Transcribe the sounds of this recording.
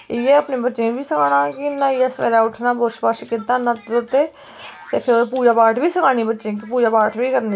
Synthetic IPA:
ɪjeːəpnẽːbətːʃẽːbiːsəkaːɽãːkɪnãːɪjasɛ̰ːɾaːʊʈʰnãːboɾʃpaːʃkit̪ːaːnãːt̪ːʊt̪ːeː | t̪eːpʰɪɾopuːd͡ʒaːpaːʈʰʋiːsəkʰaːniːbətːʃẽːkɪpuːd͡ʒaːpaːʈʰʋiːkəɾni

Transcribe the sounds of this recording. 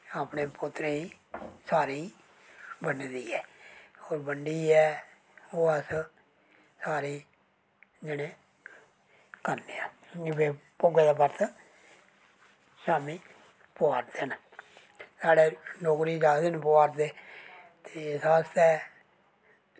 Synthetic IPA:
aːpneːpʊt̪ːɾeːiː | saːɾiː | bənd̪iːɛːoːɾbəɳɖiːɛː | oːəs | saːɾiː | d͡ʒɪɽẽː | kəɾneːaːɪbeːpʊɡeːd̪aːpəɾt̪ | ʃaːmiː | pʊaːɾd̪eːn | saːɖeːloːkɾiːd͡ʒaːd̪enpʊaːɾd̪eː | t̪ʰeːsaːst̪ɛː

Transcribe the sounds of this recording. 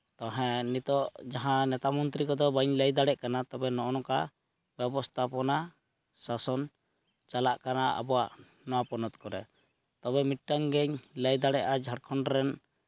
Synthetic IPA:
t̪ɔɦɛ̃nit̪ɔʔd͡ʒaɦãnɛt̪amɔnt̪ɾikɔd̪ɔbaɲləjd̪aɽɛʔkanat̪ɔbɛnɔʔɔnɔka | bɛbɔst̪ʰapɔna | sasɔn | t͡ʃalaʔkanaʔa̰bɔwa̰ʔ | nɔwapɔnɔt̪kɔɾɛ̰ | t̪ɔbɛmiʈ̚ʈaŋɡɛɲləjd̪aɽɛʔad͡ʒʱaɽkʰɔɳɖɾɛn

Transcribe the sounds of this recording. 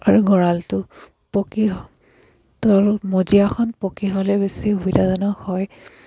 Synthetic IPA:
aɹuɡɔɹaltʊ | pokiɦ | tɔɹmozijaxʰɔnpokiɦɔlɛbesiɦubidazɔnɔxɔj

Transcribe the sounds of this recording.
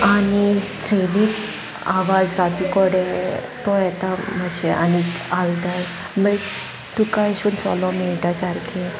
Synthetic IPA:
aniʈɾeniːt͡s | a̰ʋad͡zɾat̪ukɔɽe | t̪ɔjɛt̪aməɕɛʔa̰niaʋit̪aj | me | t̪ukajɕuːnt͡sɔ̰lɔminiʈasaɾkʰi

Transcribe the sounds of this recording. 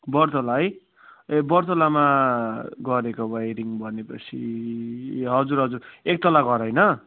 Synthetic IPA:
bʌrt̪olaj | bʌrt̪olama | ɡʌɾekobʱʌjɾiŋbʱʌnepʌt͡sʰi | ɦʌd͡zuɾɦʌd͡zurek̚t̪ʌlaɡʌɾʌjnʌ

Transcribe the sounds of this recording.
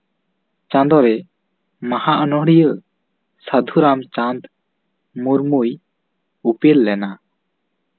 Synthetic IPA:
t͡ʃãnd̪ɔɾɛ | mahaʔənɔɦɽijə | səd̪ʱuɾamt͡ʃãnd̪ | muɾmuj | upelːɛna

